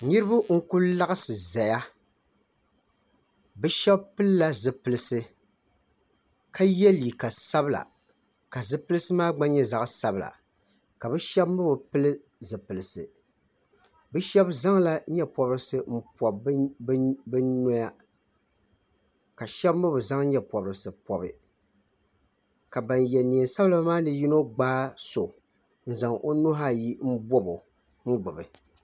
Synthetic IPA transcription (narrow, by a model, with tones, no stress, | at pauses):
ni˦ɾɨ˦bʊ˦ŋ̩˦ku˦lla˦ɣɨ˦sɨ˨za˨ja˦ | bɨ˦ʃɛ˦bpɨ˦lla˦zɨ˨pɨ˨lɨ˦sɨ˦ | ka˦jɛ˦li˨ka˨sa˦bɨ˦la̰˨ | ka˨zɨ˦pɨ˦lɨ˦sɨ˦maː˦ɡ͡ba˦ɲɛ˦za˨ʔsa˦bɨ˨la̰˨ | ka˨bɨ˦ʃɛ˦bmɨ˦bɨ˨pɨ˦lɨ˦ | zɨ˨pɨ˨lɨ˨sɨ̰˨ | bɨ˦ʃɛ˦bza˦ŋla˦ɲɛ˦pɔ˨˦bɾɨ˦sɨ˦m̩˦pɔ˨bbbɨ˦nɔ˦ja˦ | ka˨ʃɛ˦bmɨ˦bɨ˨za˦ŋɲɛ˦pɔ˨bɨ˨ɾɨ˨sɨ˨pɔ˨bɨ̰˨ | ka˨ba˨njɛ˨ni˨sa˦bla˦maː˦nɨ˨ji˦no˦ɡ͡baː˦so˨ | n̩˦˨za˨ŋʔo˦no˦ɦa˦ji˦m̩˦bɔ˦bo˨ | ŋ͡m̩˦ɡ͡bʊ˨bɨ˨